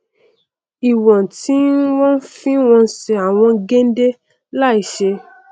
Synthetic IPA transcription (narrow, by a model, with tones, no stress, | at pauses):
i˨wɔ̃˨ti˨˦n̩˦wɔ̃˦n˦fĩ˦w̃ɔ̃˧˦ʃɛ˨a˨w̃ɔ̃˧ɡẽ˦n̩˦de˦ | la˦i˨ʃe˧